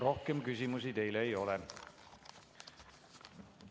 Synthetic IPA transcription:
ɾo̞hkemkys̬ʲimus̬it̪e̞jleːjo̞le

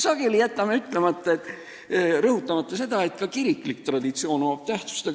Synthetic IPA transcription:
sɑɡ̥e̞lijæt̪ːˑɑmeyt̪ːˑle̞mɑt̪ˑːɑet̪ːˑ | rɤhut̪ːˑɑmɑt̪ːɑse̞d̪̥ɑe̞t̪kɑkiɾikːˑlikt̪rɑd̪̥it̪sio̞ːnoɑb̥̚t̪æht̪su̥st̪e

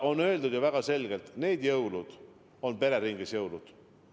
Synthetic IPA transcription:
o̞nːø̞ld̪ud̪jɑvæɡ̥ɑse̞lɡ̥elt̪ne̞ːd̪̥jɤwlud̪̥ | o̞npe̞ɾe̞ɾiŋɡ̥esjɤwlud̪̥

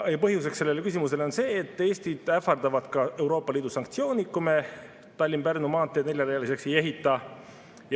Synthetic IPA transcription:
jɑpɤɦjuse̞kse̞lːe̞lekys̬ʲimus̬e̞lo̞nse̞ːt̪ːˑe̞ːst̪id̪̥æfɑrd̪̥ɑvɑd̪̥kɑe̞wɾo̞ːpːˑɑliːd̪̥usɑŋkt̪sijo̞ːnikːume | t̪ɑlʲːimpærnumɑːt̪ːˑene̞lʲjɑlɑjɑlise̞kse̞je̞ɦit̪ˑːɑ | j

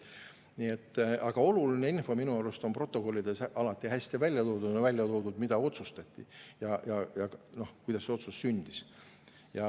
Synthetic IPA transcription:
niet̪ːɑɡ̥ɑo̞luline̞info̞minuɑlust̪o̞npro̞t̪ːˑo̞ko̞lʲːid̪e̞sʔɑlɑt̪ːˑiɦæsʲt̪ivælʲjɑt̪o̞ːd̪ud̪nvælʲjɑt̪o̞ːd̪ud̪mid̪̥ɑo̞t̪sust̪ɑt̪ʲˑːḭjɑjɑjɑno̞hkujd̪ɑsːe̞o̞t̪sussynʲd̪̥is | jɑ

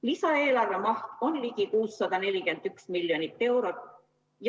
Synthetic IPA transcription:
lisɑe̞ːlɑrve̞mɑht̪o̞nlikikuːsːɑd̪ɑne̞lʲike̞nd̪̥yksmiljonit̪ːe̞wɾot̪ | j

